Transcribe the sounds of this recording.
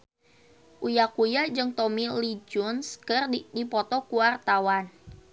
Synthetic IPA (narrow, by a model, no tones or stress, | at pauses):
ʔujakujad͡ʒɨŋt̪ɔmilid͡ʒʊnskərdipɔt̪ɔkuwart̪awan